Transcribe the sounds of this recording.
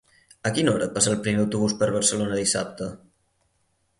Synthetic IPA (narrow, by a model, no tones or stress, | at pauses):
əkinɔɾəpasaːlˠpɾimeəwt̪uβuspəɾβ̞əɾsəlonəðisa̰p̚t̪ə